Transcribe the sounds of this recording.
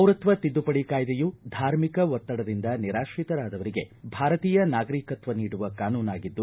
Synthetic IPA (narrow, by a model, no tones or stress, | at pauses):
ɐwɾɐt̪ʋɐt̪id̪ːupɐɽikaːjd̪ejud̪ʱaːɾmikɐʋɔt̪ːɐɽɐd̪ind̪ɐniɾaːʃʋit̪ɐɾaːd̪ɐʋɐɾiɡe̞bʱaːɾɐt̪iːjɐnaːɡɐɾikɐt̪ʋɐniːɽuʋɐkaːnuːnaːɡid̪ːu